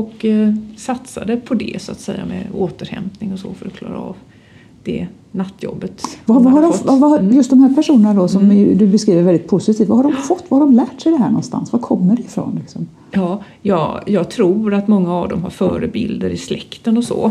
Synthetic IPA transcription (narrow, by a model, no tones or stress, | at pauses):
ɔksat̪sa̰d̪əpʰɔd̪ɛ̰sʊat̪sɛjːa̰mɛ̰oːt̪əɾhɛ̰mpnɪŋɔso̰ːfœɾɔkʰlɑ̰ːɾa̰ɑv | d̪̥ɛ̰ | nat̪ːjɔ̰bːət̪vavaɦaɖɔavajɵst̪̚d̪ɔmhæːɾpʰæʂuːnənad̪ɔsɔmd̪ɵbɛskɾiːvəɾvɛld̪ɪt̪̚pʰʊsɪt̪ʰiːft̪vahaɖɔmfɔt̪ːvahaɖɔmlæːʈsɛjd̪ɛɦæːɳɔ̰nst̪a̰nsvakʰɔmːəɖɛɪfɾo̰ːnlɪksɔm | jɑː | jɑːjɑːɡ̚t̪ʰɾuːɾat̪mɔŋːaːvd̪ɔmɦaɾfœːɾəbɪld̪əɾɪslɛkt̪ənɔsɔ̰ː